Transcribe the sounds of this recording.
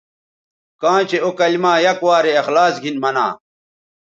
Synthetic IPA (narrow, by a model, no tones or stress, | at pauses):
kãːt͡ɕeokɐlmaːjɐkwaːɾeɐxlaːsɡʱinmɐna̰ː